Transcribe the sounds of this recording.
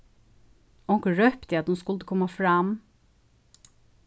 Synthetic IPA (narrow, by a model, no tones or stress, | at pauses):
ɔŋkəɹœpt̪ɪɑt̪hʊnskʉld̪əkʰɔmːɑfɾɑm